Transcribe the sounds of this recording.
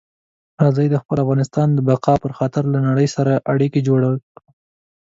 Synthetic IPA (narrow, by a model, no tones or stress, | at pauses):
ɾɑzajd̪əxpəlafɣɑnɪst̪ɑnd̪əbaqɑpəɾxɑt̪ɪɾlanaɽəjsaɾaʔaɽiked͡ʒoɽawə